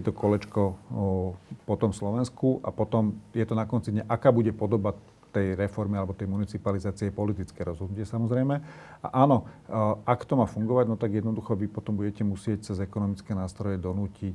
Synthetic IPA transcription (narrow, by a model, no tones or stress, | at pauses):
ɛt̪ɔkɔlɛt͡ʃkɔ | pɔt̪ɔmfslɔʋɛnskuʔa̰pɔt̪ɔmjɛt̪ɔnakɔnt͡sid̪ɲaʔakaːbuɟɛpɔd̪ɔba | t̪ɛjɾɛfɔɾmialɛbɔt̪ɛjmunit͡sipalizaːt͡siɛpɔlit̪it͡skɛːɾɔzɦɔd̪nucɪɛsamɔzɾɛjmɛa̰ʔaːnɔakt̪ɔmaːfuŋɡɔʋaɟnɔt̪aɡjɛd̪nɔd̪uxɔʋipɔt̪ɔmbuɟɛcɛmusɪɛc̚t͡sɛzɛkɔnɔmit͡skɛːnaːst̪ɾɔjɛd̪ɔnuːcic